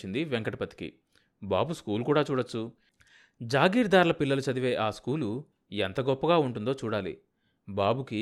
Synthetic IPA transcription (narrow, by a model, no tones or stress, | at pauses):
ind̪iʋeŋkɐʈɐpɐt̪i̥kḭ | ba̰ːbuskuːlukuːɽaːt͡ʃuːɽɐt͡ʃːu | d͡ʒaːɡiːɾd̪aːɾlɐpilːɐlut͡ʃɐd̪iʋe̞ːʔaːskuːlu | ent̪ɐɡɔpːɐɡaːuɳʈund̪oːt͡ʃuːɽaːlḭ | baːbuki